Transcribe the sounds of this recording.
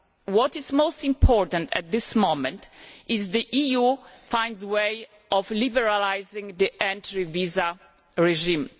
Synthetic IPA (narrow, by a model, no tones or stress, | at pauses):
wɔtizmoʊst̪ĩmpʰɔɹtãntɛ̰t̪̚d̪ɪsmõmɛ̃ntʔɪzd̪iʔijufãj̃ndzwej | ʔɔvlibɛɹalajzĩŋd̪iʔɛ̃ntɹiviza | ɹɛʒĩm